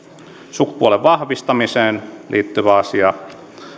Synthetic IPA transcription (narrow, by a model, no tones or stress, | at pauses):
suku̥puoleʋʋɑhʋist̪ɑmiseːnliːt̪ːyʋæɑsiɑ